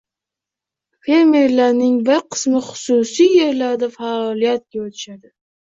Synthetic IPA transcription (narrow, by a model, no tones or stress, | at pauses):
fe̞ɾme̞ɾlaɾnɪŋbɪɾqʰɨ̥smɪχʊ̥sʊsijːe̞ɾlaɾd̪afaɒlˠijat̪̚ɡʲaot̪ʰɪ̥ʃad̪ɪ